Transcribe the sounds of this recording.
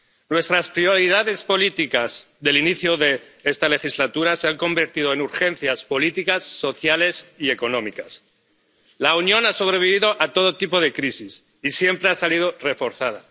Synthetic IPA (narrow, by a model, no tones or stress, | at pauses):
nwe̞st̪ɾaspɾioɾiðaðe̞spo̞lit̪ikaz | ðe̞liniθjoðe̞ | est̪ale̞xizlat̪uɾase̞aŋko̞mbe̞ɾt̪iðo̞enuɾxe̞n̟θjaspo̞lit̪ikasːo̞θjale̞sie̞ko̞nõ̞mikas | launjõ̞naso̞β̞ɾe̞βiβ̞iðo̞ʔat̪o̞ðo̞t̪ipo̞ð̞e̞kɾisis | isje̞mpɾeasalið̞o̞re̞fo̞ɾθaða̰